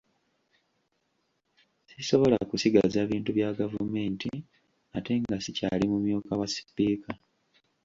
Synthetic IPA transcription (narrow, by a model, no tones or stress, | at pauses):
siso̞βo̞lakusiɡazaːβiːntuβjaːɡavume̞ːnti | ate̞ŋɡasica̰limumjuːkawasi̥piːka